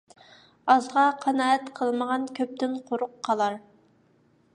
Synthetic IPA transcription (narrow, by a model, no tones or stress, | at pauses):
ɑzʁɑqʰɑnɑːɛt̪qʰəlˠməʁɑnkʲʰøp̚t̪ɪnqʰoɾʊqʰːɑlˠɑɾ